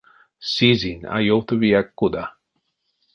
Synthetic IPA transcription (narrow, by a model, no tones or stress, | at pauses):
sizina̰jowt̪əviakːud̪a